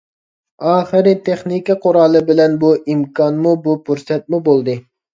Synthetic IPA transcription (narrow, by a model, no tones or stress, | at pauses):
ɑːχɨɾɪt̪ʰeχnikʲiqʰʊɾɑlˠɨbɪlɛnbuʔimkʰɑnmubupʰuɾsɛt̪̚mubolˠd̪ɨ